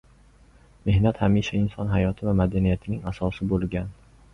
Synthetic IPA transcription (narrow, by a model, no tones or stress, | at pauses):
me̞hnat̪hamiʃaɪnsɒnɦajɒt̪ʰɪvamad̪anijat̪ʰɪnɪŋasɒsɪbolˠɡʲan